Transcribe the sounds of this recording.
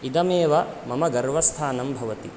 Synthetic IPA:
id̪ɐmeːʋɐmɐmɐɡɐɾʋɐst̪ʰaːnɐmbʱɐʋɐt̪i

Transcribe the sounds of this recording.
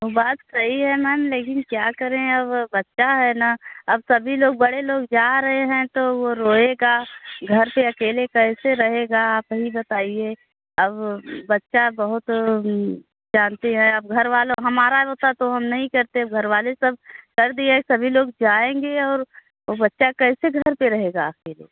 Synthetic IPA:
obaːt̪sɐɦiɦɛmɛːnleːk̬ɪnkjaːkɐɾẽɐbːɐtːʃaɦɛnaɐbsɐbʱiloːɡ̚bɐɽeloːɡd͡ʒaːɾɐɦeɦɛ̃t̪oʋoɾoːeːɡaːɡʱɐɾpeɐkeːlekɛɪseɾɐɦeːɡaaːpɦibɐt̪aːieː | ɐbːɐtːʃabɐɦʊt̪ | d͡ʒaːnt̪eɦɛ̃ɐb̚ɡʱɐɾʋaːloɦɐmaːɾaɦoːt̪at̪oɦɐmnɐɦĩkɐɾt̪eɐb̚ɡʱɐɾʋaːlesɐb̚kɐɾd̪iesɐbʱiloːɡd͡ʒaːẽːŋɡeɔːɾ | obɐtːʃakɛːseɡʱɐɾpeɾɐɦeːɡaːpkeliḛː

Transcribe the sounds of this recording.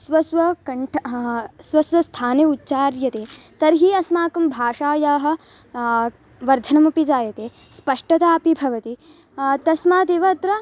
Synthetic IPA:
sʋɐsʋɐkɐɳʈʰsʋɐsʋɐst̪ʰaːneutːt͡ʃaːɾjɐt̪eː | t̪ɐɾɦiːɐsmaːkɐmbʱaːʂaːjaːɦɐ̆ | ʋɐɾd̪ʱɐnɐmɐpid͡ʒaːjɐt̪eː | spɐʂʈɐt̪aːpibʱɐʋɐt̪i | t̪ɐsmaːd̪eːʋɐt̪ɾɐ

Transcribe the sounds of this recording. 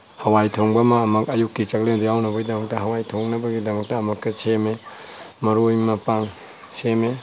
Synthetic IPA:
hɐwajtʰoŋbɐmaːmɐkɐjukːit͡ʃɐklendujawnɐbɐɡidɐmɐk̚tɐɦɐwajtʰoŋnɐbɐɡidɐmɐk̚tɐːmɐk̚tɐsememɐɾojmɐpaŋ | seme

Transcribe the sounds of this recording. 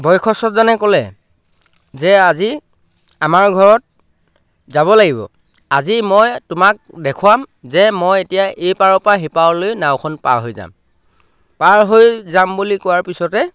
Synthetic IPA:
bʱɔjkʰɔsɔtzanɛkɔlɛ̰ | zɛazi | amaɹɡʱɔɹɔt̚ | zaβɔlaɡibɔ̰ | azimɔjtʊmak̚dɛkʰʊwamzɛmojetijaʔejpaɹɔpaɦipaɔlojnawkʰɔnpa̰ɹɦojza̰m | paɹɦojzambulikɔwaɹpisɔtɛ

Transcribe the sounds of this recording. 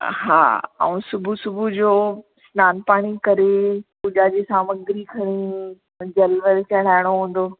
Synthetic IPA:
ɦa̰ːɛ̰ũsʊbʱusʊbʱud͡ʑoː | snaːnpaːɽ̃ikɐɾekʊʄaːd͡ʑesaːmɐɡɾikʰɐɽ̃i | d͡ʑɐlʋəɾt͡ɕɐɽ̤aːɪɽ̃oɦũːn̆d̪oː

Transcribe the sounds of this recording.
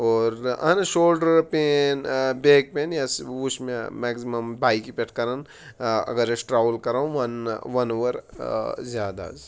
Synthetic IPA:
ɔːɾɐ̰nʃoːlɖəɾpeːnbeːk̚peːnjaswusmemɛːɡsimɐmbʱaːikipeʈʰkɐɾən | ɐ̰ɡəɾesʈɾaːʋəlkɐɾaːũʋɐnʋɐnoːʋəɾzjaːd̪a̰z

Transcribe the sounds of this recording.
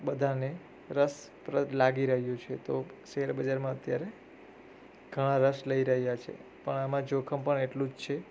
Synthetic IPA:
bəd̪ʱane | ɾəs | pɾəlaɡiɾəɦjũt͡ʃʰet̪oʃeɦəɾbəd͡ʒaɾmãət̪jaɾe | ɡʱəɽ̃ãɾəsləiɾəɦjat͡ʃʰḛ | pəɳamãd͡ʒokʰəmpəɳeʈlũd͡ʒt͡ʃʰe

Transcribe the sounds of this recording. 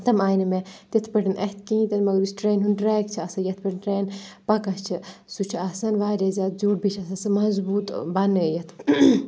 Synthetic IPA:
t̪ɐmaːjnɐmet̪ɐt̪ʰpɐʈɐnʔɐht̪̚ʰkiĩt̪ʲɐnmɐɡɾisʈɾeːnɦunʈɾaːjkt͡ʃʰiɐsɐjɐt̪ʰpɐʈnɾeːnpɐkɐst͡ʃʰisut͡ʃʰiɐsɐnʋaːɾʲɐzʲaːt̪̚d͡ʒuːʈbit͡ʃʰɐsɐsɨmɐzbuːt̪bɐnɨjɐt̪ʰ

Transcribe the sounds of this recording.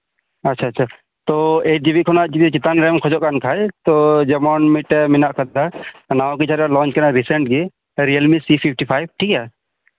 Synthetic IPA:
ɐtːʃʰaːt͡ʃːt͡ʃʰa | t̪ɔed͡ʒibiʔkʰɔnaʔd͡ʒit̪t͡ʃit̪anɾɛmkʰɔd͡ʒɔʔkankʰajt̪ɔd͡ʒɛmɔnmiʈɛminaʔkʰət̪d̪anawkit͡ʃʰaɾalɔ̃nt͡ʃkanaɾisɛɳʈ̚ɡi | ɾiəlmisipʰip̚ʰʈipʰajb̚ʈʰika

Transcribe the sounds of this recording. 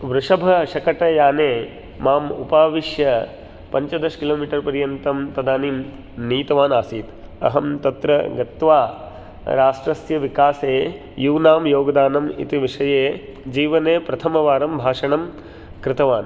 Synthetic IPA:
ʋɾuʂɐbʱɐʃɐkɐʈɐjaːneː | maːmṵpaːʋiʃjɐ | pɐɲt͡ʃɐd̪ɐʃkiloːmiːʈɐɾpɐɾjɐnt̪ɐmt̪ɐd̪aːniːm | niːt̪ɐʋaːnaːsiːt̪ɐ̰ɦɐmt̪ɐt̪ɾɐɡɐt̪ʋaː | ɾaːʂʈɾɐsjɐʋikaːseː | juːnaːmjoːɡɐd̪aːnɐmḭt̪iʋiʂɐjeːd͡ʒiːʋɐneːpɾɐt̪ʰɐmɐʋaːɾɐmbʱaːʂɐɳɐm | kɾɪt̪ɐʋaːn

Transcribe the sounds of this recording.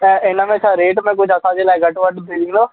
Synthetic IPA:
ɪnãːmẽːət͡ʃʰaːɾeːʈmɛ̃ːk̬ʊt͡ʃʰəsãːd͡ʒeːlaːɡəʈʋəɖb̪eliːnoː

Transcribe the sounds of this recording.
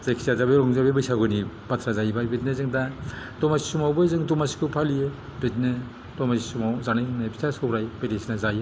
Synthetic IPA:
zajkʰi̥sazabɯjɾɔŋzabebɯjsaɡɯni | batʰɾazajibajbetnɯzɯŋda | dɔmasi̥sumawbɯzɯŋdɔmasi̥kʰɯpʰalijɯ | betnɯ | dɔmasisumawzanajɯŋnabi̥tʰasɯɾajbeɾesnazajɯ

